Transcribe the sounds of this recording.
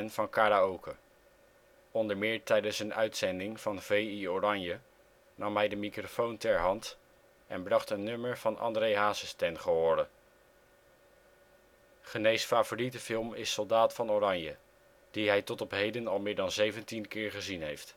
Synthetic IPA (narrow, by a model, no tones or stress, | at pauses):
nv̥ɑnkaːɾaowkə | ɔndəɹmɪːɹtɛjdənsənœ̰ɥtsɛndɪŋv̥ɑnvejiorɑɲjə | nɑmɦɛjdəmikrofowntɛɹɦɑnt | ʔɛ̰nbrɑχtənːɵməɹv̥ɑnɑ̰ndrejɦaːsəstɛnχəɦoːɾə | χənejsfaːvoːritəfɪlˠmɪsːɔlˠdaːtfɑnorɑɲjə | d̥iɦɛjtɔtɔpɦejdənɑlˠmɪːɹdɑnzejvəntinkɪːɹχəzinɦejft